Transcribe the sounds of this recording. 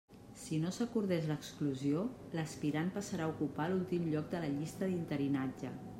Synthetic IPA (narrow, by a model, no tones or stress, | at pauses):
sinosəkuɾð̞ɛʃləkskluzio | ləspiɾanpəsəɾaukupalulˠt̪imʎɔk̚d̪ələʎist̪əðint̪əɾinad͡ʒə